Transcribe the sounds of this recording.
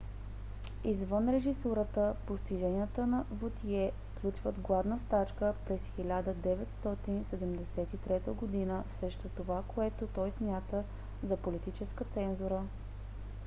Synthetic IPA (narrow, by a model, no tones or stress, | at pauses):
izvənɾɛʒisuɾət̪əpost̪iʒɛnʲiət̪ənɐvot̪iɛfklʲut͡ʃvəd̪ɡlˠavnəst̪at͡ʃkəpɾɛsxilʲad̪əd̪ɛvɛt̪st̪ɔt̪insɛd̪ɛmd̪ɛsɛt̪it̪ɾɛt̪əɡod̪inəsɾɛʃt̪ot̪ovakoɛt̪ot̪ɔjsmʲjat̪ə | zɐpolit̪it͡ʃɛskət̪sɛnzuɾə